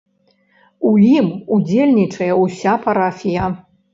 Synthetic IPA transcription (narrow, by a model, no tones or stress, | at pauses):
ujimud͡zʲelʲnʲit͡ʂɐjɛusʲapaɾafʲijɐ